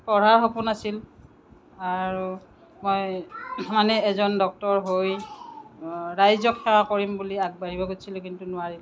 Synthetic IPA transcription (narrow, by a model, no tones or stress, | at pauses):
pɔɹaɹxopunasil | aɹu | mojmanɛːzɔndɔk̚tɔɹɦoj | ɹajzɔkʰːɛwakoɹimbuliaɡ̚baɹibɔɡosʰilʊkintunʊaɹil